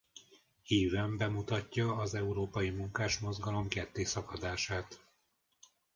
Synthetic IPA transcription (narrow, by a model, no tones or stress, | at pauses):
hiːvɛmbɛmut̪ɒcːɒːzɛuɾoːpɒjimuŋkaːʃmo̞zɡɒlo̞mkɛt̪ːeːsɒkɒd̪aːʃaːt̪